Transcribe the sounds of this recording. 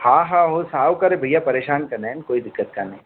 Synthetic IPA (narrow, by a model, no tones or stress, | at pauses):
hãːɦãːɦosaːwkɐɾebʱɐijapɐɾeːʃaːnkɐɾnenkoːid̪ɪkːət̪̚kanɐɦĩ